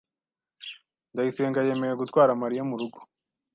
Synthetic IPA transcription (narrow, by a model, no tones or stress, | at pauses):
ndajise̞ːŋɡaje̞me̞jeɡutwaːɾamaɾijamuɾuɡo̥